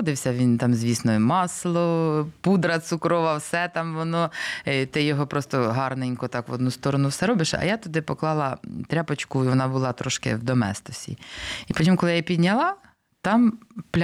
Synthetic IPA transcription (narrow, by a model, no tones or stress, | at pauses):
d̪ɪwsʲɐʋʲint̪ɑmzʲʋʲisnɔjmɑslˠɔpud̪ɾɐt̪sʊkɾɔʋɐwsɛt̪ɑmʋɔnɔt̪ɪjɔɦɔpɾɔst̪ɔɦɑrnenʲkʊt̪ɑkʋɔd̪nust̪ɔɾɔnʊwsɛɾɔbɪʃɐ̰jat̪ʊd̪ɪpɔklˠɑlˠɐt̪ɾʲapɔt͡ʃkʊiʋɔnɑbʊlˠɑt̪ɾɔʃkɪ̰wd̪ɔmɛ̰st̪ɔsʲḭipɔtʲimkɔlˠɪjipʲid̪ʲnʲɐlˠɑ | t̪ɑmplʲ